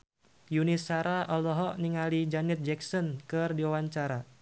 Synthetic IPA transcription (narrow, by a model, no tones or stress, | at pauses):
junisaɾaʔɔlɔɦɔʔniŋalid͡ʒanɛt̪̚d͡ʒɛksɔnkɨrdiawaɲt͡ʃaɾa